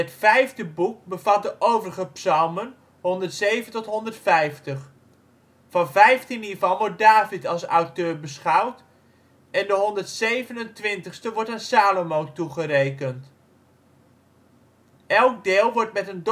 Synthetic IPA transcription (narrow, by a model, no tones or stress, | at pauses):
ətfɛjvdəbuk̚bəvɑt̚dəʔowvərəχəpsɑlˠmən | ɦɔndəɹtsejvəntɔtɦɔndəɹtfɛjftəχ | fɑnvɛjftinivɑlˠʋɔɹt̚daːvɪtɑlˠsʌ̰wtøːɹbəsχɑwt | ɛndəɦɔndəɹtsejvənəntʋɪntəχstəʋɔɹtaːnsaːlomowtuχəɾejkənt | ʔɛlˠk̚dɪːlˠʋɔɹtmɛtənd